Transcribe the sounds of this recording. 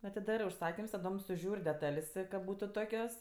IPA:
ɐtʲɪˈdɑːrɜ ʊʃˈsɑːkʲɪms tɐˈdoːm sʊˈʒʲuːrʲ dʲɛˈtɐlʲsʲ kɐt ˈbuːtʊ ˈtoːkʲoːs

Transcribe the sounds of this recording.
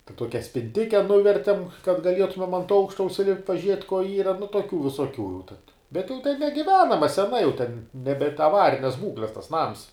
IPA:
tʲɛn ˈtuɔkʲɛ sʲpʲɪnʲˈtʲɪkʲɛ ˈnʊʋʲɛrʲtʲɛm kɐt ɡɐˈlʲiɛtʊmʲɛm ɐnt ˈɐʊkʃtɐ ʊʃʲsʲɪˈlʲɪpʲtʲ pɐˈʒʲiɛtʲ koː ˈiːrɐ nʊ tuɔˈkʲuː ʋʲɪsuɔˈkʲuː jɛʊ tɐt bʲɛt jɛʊ tʲɛn nʲɛɡʲɪˈʋʲæːnɐmɐ sʲɛˈnɐ jɛʊ tʲɛn nʲɛˈbʲɛnt ɐˈʋɑːrʲɪnʲɛs ˈbuːklʲɛs tɐs ˈnɐms

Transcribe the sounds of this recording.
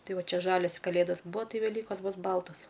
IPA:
ˈtɐɪ ˈʋɐ ˈt͡ʃʲɛ ˈʒɑːlʲɛs kɐˈlʲeːdɐs ˈbuːɐ ˈtɐɪ ʋʲɛˈlʲiːkoːs ˈbʊs ˈbɐlˠtoːs

